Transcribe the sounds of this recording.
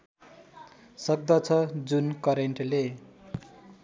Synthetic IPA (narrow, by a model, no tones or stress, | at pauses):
sʌk̚d̪ʌt͡sʰʌd͡zunkʌɾeɳʈle